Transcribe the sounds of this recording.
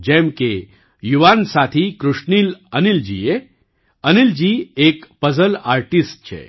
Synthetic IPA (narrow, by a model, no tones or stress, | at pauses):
d͡ʑɛmke | juʋansat̪ʰikɾuʂniːlənild͡ʑḭje | ənild͡ʑiːeːkpəzəlaɾʈisʈ̚t͡ɕʰḛ